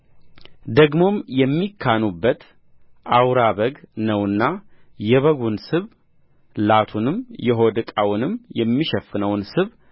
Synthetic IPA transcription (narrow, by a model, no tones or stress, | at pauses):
d̪əɡmo̞mjɛmːikʰːanubːət̪ | ʔawɾaβəɡnəwɨnːa | jɛβəɡunsɨβ | lat̪ʰunɨmjɛɦo̞d̪ɨkʼawnɨmjɛmːiʃɛfːɨnəwnsɨβ